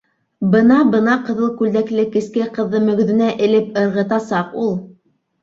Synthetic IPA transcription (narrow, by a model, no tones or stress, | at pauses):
bɤnɑbɤnɑqɤ̆ðɤlˠkʉld̪æklɘkɘ̆skɘqɤ̆ðːɤmɵ̆ɡɵ̆ðɘ̆næʔɘ̆lɘp̚ɤ̆ɾʁɤ̆t̪ɑsɑqulˠ